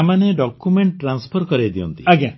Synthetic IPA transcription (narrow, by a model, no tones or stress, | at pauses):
amaneɖɔkumeɳʈʈːɾanspʰɔɾkɔɾed̪iɔ̰nt̪iaɡa